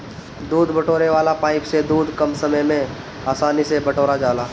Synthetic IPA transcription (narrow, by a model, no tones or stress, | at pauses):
d̪uːd̪bɐʈoːɾeʋaːlapaːɪksed̪uːd̪ʱkɐmsɐməjmẽ | aːsaːnisebɐʈoːɾad͡ʒaːlaː